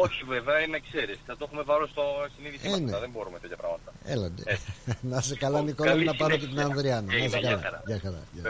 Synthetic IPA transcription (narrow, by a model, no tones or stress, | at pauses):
o̞çiveveɐineɐkseɾisθɐt̪o̞xume̞vɐɾost̪ost̪iniðiseneɐðembo̞ɾumet̪et̪jɐpɾɐ̰ɣmɐt̪ɐḛlɐnd̪enɐs̬ekɐlɐnikolɐmnɐpɐɾocet̪inɐnðɾiɐnɐnɐsekɐlɐɐʝɐxɐɾɐ̰ʝɐ